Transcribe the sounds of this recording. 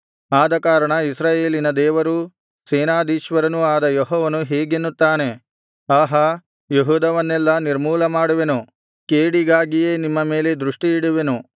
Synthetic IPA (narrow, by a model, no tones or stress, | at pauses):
aːd̪ɐkaːɾɐɳɐisɾaːje̞ːlinɐd̪ɛːʋɐɾu | seːnaːd̪ʱiːʃʋɐɾɐnuaːd̪ɐjɔɦɔːʋɐnuɦeːɡenːut̪ːaːne̞ | aːɦɐ | jeɦuːd̪ɐʋɐnːɛlːɐniɾmuːlɐmaːɽuʋe̞nu | keːɽiɡaːɡijeːnimːɐme̞ːle̞d̪ɾuʂʈiiɽuʋe̞nu